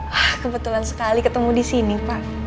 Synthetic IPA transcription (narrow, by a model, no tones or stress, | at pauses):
ahkəbət̪ulansə̥kalikət̪əmudisinipaʔ